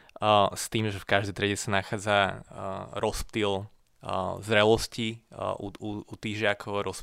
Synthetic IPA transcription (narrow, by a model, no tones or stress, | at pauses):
st̪iːmʒɛfkaʒd̪ɛt̪ɾɛɟɛsanaxaːd͡za | ɾɔsp̚t̪il | zɾɛlɔsciʔuuut̪iːʒɪakʰɔʊaɾɔs